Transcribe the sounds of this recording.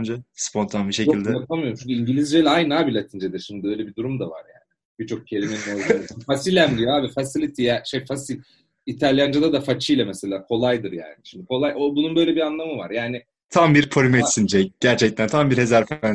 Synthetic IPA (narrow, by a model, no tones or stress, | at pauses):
nd͡ʒɛspʰo̞nt̪ʰanbiʃe̞cjoild̪ɛjapʰamijoɾumt͡ʃʰynɲʲcʰʲyiɲɟilʲizd͡ʒelʲajnaːbilʲat̪ʰind͡ʒed̪iɾʃimd̪ɪø̞jlʲebid̪uɾumd̪ava̰ɾjaːnɪ | b̥it͡ʃʰo̞k̚cʰe̞lʲinme̞ninolˠfasilʲæmd̪ijoaːbifasilʲit̪ʰijaʃejfasilʲ | it̪ʰalʲjand͡ʒad̪ad̪afat͡ʃʰɯjlʲamɛse̞lʲaːkʰo̞lˠajd̪ɯɾja̰ːnɪʃimd̪ikʰo̞lˠajobununbø̞jlʲebianlˠamɯvaɾjaːnɪ | t̪ʰambiɾpʰoɾymɛt̪sind͡ʒɛɟ̥æɾt͡ʃʰɛc̚t̪ʰænt̪ʰambiɾhezæɾfæn